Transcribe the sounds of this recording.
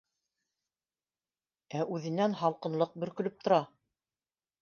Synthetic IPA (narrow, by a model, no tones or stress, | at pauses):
æʔʉðɘ̆nænɦɑlˠqɤ̆nlˠɤq̚bɵ̆ɾkɵ̆lɵp̚t̪ŏɾɑ